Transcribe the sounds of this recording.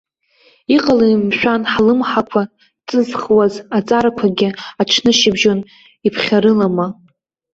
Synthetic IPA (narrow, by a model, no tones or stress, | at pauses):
iqʼalamʃʷᶣanħlɨmħakʷʰa | t͡sʼɨzχwazat͡sʼaɾakʷʰaɡʲɪaʈ͡ʂʰnɨʃɪbʒon | ipʰχʲaɾɨlama